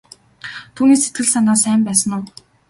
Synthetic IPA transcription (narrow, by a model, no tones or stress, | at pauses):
t̪ʰuːniːset̪̚ɡɘ̆ɮsanaːsæːmpæːsə̆nʊː